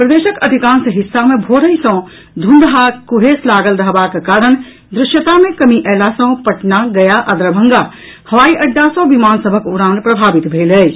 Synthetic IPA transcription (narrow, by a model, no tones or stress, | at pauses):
pɾɐd̪eːʃəkɐd̪ʱikaːnsəɦɪsːamẽbʱoːɾəĩsə̃ | d̪ʱũnd̪ɦakuɦeːslaːɡəlɾɐɦbakkaːɾəɳ̃ | d̪ɾɪʃjət̪amẽkɐmiʔɛːlasə̃pɐʈnaɡɐjaʔɐd̪ɾəbʱə̃ŋɡa | hɐʋaːiʔɐɖːasõʋimaːnsəbʱəkʊɾãːnpɾɐbʱaːʋit̪bʱeːlɛ